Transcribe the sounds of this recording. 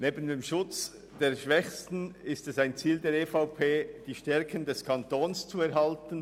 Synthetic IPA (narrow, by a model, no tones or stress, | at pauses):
neːbəndeːmʃʊt͡s | d̥eːɐʃʋɛçstn̩ɪstɛsaɪnt͡siːldeːɐɾefaʊpʰeːd̥iːʃtɛɐkʰəndɛskʰɑntoːnst͡suɛɾɦɑltən̩